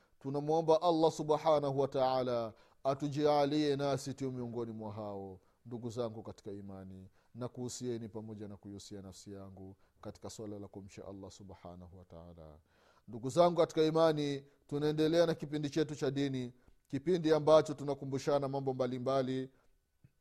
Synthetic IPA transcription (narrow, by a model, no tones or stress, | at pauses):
tunamuɔmbaʔalːasuɓħanaɦuwataalaː | tud͡ʒialiɛnasituumiɔŋɡɔnimwaɦaɔ | nduɡuzaŋɡukati̥kaimani | nakuhusiɛnipamɔʄanakuiusianafsijaŋɡukati̥kaswalalakum̩t͡ʃa̰ʔa̰lːasuɓħa̰nahuwata̰a̰la̰ | nduɡuzaŋɡukati̥kaimani | tunaɛndɛlɛanakipindit͡ʃɛt̬ut͡ʃaɗini | kipindiambat͡ʃɔtunakumbuʃanamambɔmbalimbali